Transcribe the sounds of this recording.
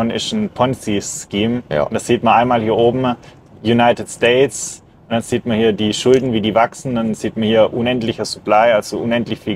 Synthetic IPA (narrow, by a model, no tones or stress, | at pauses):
ɔnɪsnpʰɔnsiːskiːmʊnd̥asiːtmɐnʔaɪnmaːlhiːɐʔoːbm̩ | junaɪtɪtstɛɪts | ʊnd̥anz̥iːtmɐhiːɐdiːʃʊldn̩viːdiːvaksn̩danziːtmɐnhiːɐʔʊnɛntlɪçɐsuplaɪalz̥oʔʊnɛntlɪçfiː